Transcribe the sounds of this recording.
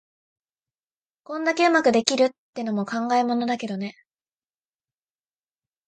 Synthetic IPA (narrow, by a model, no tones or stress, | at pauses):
kõ̞nd̪ake̞ɯ̟makɯ̟d̪e̞kʲiɾɯ̟t̪ːeno̞mo̞kãŋɡaemo̞no̞d̪ake̞d̪o̞ne̞